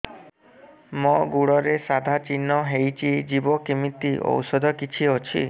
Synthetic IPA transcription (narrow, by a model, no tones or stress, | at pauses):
mɔɡuɽɔɾesad̪ʱat͡ʃinːɔɦejt͡ʃʰid͡ʒibɔkimit̪iʔo̰wsɔd̪ʱɔkit͡ʃʰiot͡ʃʰḭ